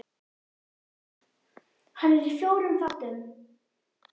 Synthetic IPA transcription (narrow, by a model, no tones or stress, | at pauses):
hanɪɾifjowɾənfat̪ɪn